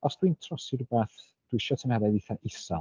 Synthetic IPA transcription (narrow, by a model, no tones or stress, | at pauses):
ɔsd̥wintʰrɔsɪɾbaːθ | d̥wɪʃɔtʰənhɛɾɛðiθaʔɪsa